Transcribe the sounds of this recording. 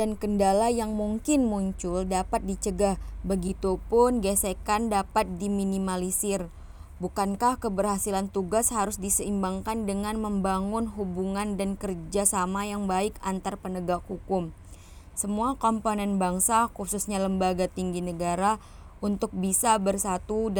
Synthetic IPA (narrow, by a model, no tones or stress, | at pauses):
dankəndalajaŋmuŋkɪnmuɲt͡ʃʊldapat̪̚dit͡ʃəɡahbəɡit̪upʊnɡesekandapat̪̚diminimalisɪr | bukankahkəbərhasilant̪uɡashaɾʊsdisəimbaŋkandəŋanməmbaŋʊnɦubuŋandankərd͡ʒasamajaŋbaɪkant̪arpənəɡak̚hukʊm | səmuakomponɛnbaŋsakususɲaləmbaɡat̪iŋɡinəɡaɾa | ʔunt̪ʊk̚bisabərsat̪u